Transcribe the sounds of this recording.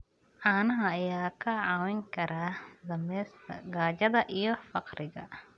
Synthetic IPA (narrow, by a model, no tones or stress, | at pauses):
ʕaːnɐɦɐːjaːkʰɐʕɑːwɛŋkʰɐɾʔaːd̪ɐmɛːst̪ʰɐ̰ɡaːt͡ʃɐðɐʔijɔfɑqɾɪɣɐ̰